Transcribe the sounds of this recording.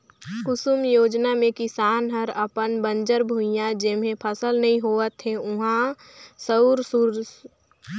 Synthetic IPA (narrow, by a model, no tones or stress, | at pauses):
kʊsumjoːd͡ʒnamẽkɪsaːnɦəɾəpənbənd͡ʒəɾbʱujãd͡ʒemẽpʰəsəlnɐɦĩɦoːət̪ɦeʊɦã | səuɾsuɾ